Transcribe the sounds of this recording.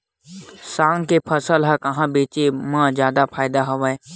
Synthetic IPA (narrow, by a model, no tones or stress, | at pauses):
sãːŋɡkepʰɐsəlɦɛkɐɦãbeːt͡ʃemãːzjaːd̪apʰaːɪd̪aɦoʋaːe